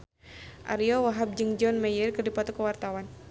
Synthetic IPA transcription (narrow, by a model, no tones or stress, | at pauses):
ʔa̰ɾiɔwaɦab̚d͡ʒɨŋd͡ʒɔnmɛjərkərdipat̪ɔkəwart̪awan